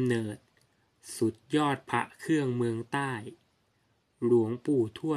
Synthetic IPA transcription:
nɤː˨˩t̪̚ | su˨˩˦t̪̚jɔː˥˩t̪̚pʰa̰˦˥ʔkʰɯ˥˩əŋmɯ˧əŋt̪aː˥˩j | ɾu˩˦əŋpuː˨˩t̪ʰu˥˩ə

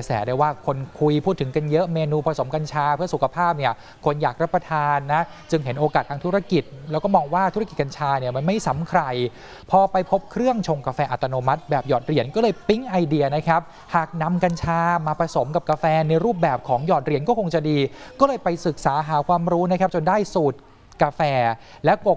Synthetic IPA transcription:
ka˧sɛ̰ː˩˦daː˥˩jwaː˥˩kʰo˧nkʰu˧jpʰuː˥˩t̪ʰːɯ˩˦ŋka˧njɤ˦˥ʔmeː˧nuː˧pʰa˧so˩˦mka˧nt͡ɕʰaː˧pʰɯ˥˩ɐsu˨˩kʰa˧pʰaː˥˩p̚ni˥˩ɐ | kʰo˧njaː˨˩k̚ɾa˦˥pːɾa˧t̪ʰaː˧nːa˦˥ | t͡ɕɯ˧ŋɦe˩˦nʔoː˧kaː˨˩t̪ʰaː˧ŋt̪ʰu˦ɾa˧˩ki˨˩t̪̚lɛː˦˥kɔː˥˩mɔː˧ŋwaː˥˩t̪ʰu˦˥ɾki˨˩ka˧nt͡ɕʰaː˧ni˥˩ɐma˧nma˥˩jsa˩˦mkʰɾa˧j | pʰɔː˧pa˧jpʰo˦˥p̚kʰɾɯ˥˩əŋt͡ɕʰo˧ŋkaː˧fɛː˧ʔa˨t̪ːa˧noː˧ma˦˥t̪̚bɛː˨˩p̚jɔː˨˩t̪̚ɾi˨˩ənkɔː˥˩lɤː˧jpi˦˥ŋʔa˧jdi˧ɐna˦˥kʰa˦˥p̚ | haː˨˩k̚na˧mka˧nt͡ɕʰaː˧maː˧pʰɾa˧so˩˦mka˨˩p̚kaː˧fɛː˧na˧jɾuː˥˩p̚bɛː˨˩p̚kʰɔː˩˦ŋjɔː˨˩t̪̚ɾi˨˩ənkɔː˥˩kʰo˧ŋt͡ɕa˨˩diː˧kɔː˥˩lɤː˧jpa˧jsɯ˨˩k̚saː˩˦ɦaː˩˦kʰwaː˧mɾuː˦˥na˦˥kʰa˦˥p̚t͡ɕo˧ndaː˥˩jsuː˨˩t̪̚ | kaː˧fɛː˧ | lɛ˦˥ko˨˩

